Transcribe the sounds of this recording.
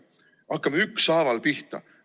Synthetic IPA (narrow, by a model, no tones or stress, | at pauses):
ʔɑkːˑɑmyksɑːvɑlpiht̪ɑ̰